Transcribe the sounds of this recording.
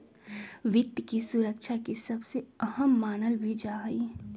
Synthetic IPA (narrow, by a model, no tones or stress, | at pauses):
ʋɪt̪jkisʊɾəkʃʰakisɐbseɐɦəmːaːnəlbʱid͡ʒaːɦɐi